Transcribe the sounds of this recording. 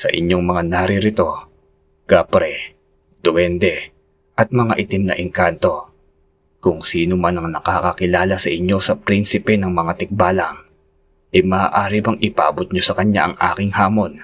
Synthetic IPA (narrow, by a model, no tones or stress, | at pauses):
sɐ̰ʔɪ̰ɲjo̞ŋmɐŋanɐɾɪɾɪt̪o̞ | ɡ̥apɾɛ | d̪̥owɛnd̪ɛ | ʔɐt̪̚mɐŋa̰ʔɪt̪ɪmnɐ̰ʔɪŋkant̪o̞ | kʊŋsiːnomanɐŋnɐkakɐkɪlaːlɐsɐʔɪɲo̞sɐpɾinsɪpɛnɐŋmɐŋat̪ɪk̚baːlɐŋ | ʔɐjmɐːʔaːɾibɐŋɪpa̰ʔɐbot̪̚ɲosɐkɐɲa̰ʔɐŋʔa̰ːkɪŋhaːmo̞n